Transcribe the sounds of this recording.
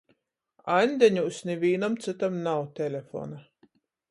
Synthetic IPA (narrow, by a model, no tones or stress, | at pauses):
anʲd̪ʲenʲusnʲivʲiːnamt̪sɨt̪amnawt̪ʲelʲefo̰ːna